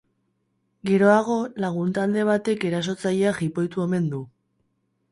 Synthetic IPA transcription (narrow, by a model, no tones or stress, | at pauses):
ɡe̞ɾo̞aɣ̞o̞laɣ̞unt̪ald̪e̞β̞at̪e̞ke̞ɾas̬o̞t͡sajeaxipo̞jt̪ue̞me̞nd̪u